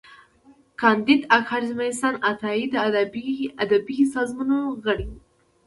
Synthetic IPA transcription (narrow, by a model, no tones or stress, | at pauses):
kɑnd̪id̪akhɑɾzmaisɑnat̪ɑid̪ə | ad̪abisɑzmunoɣəɽi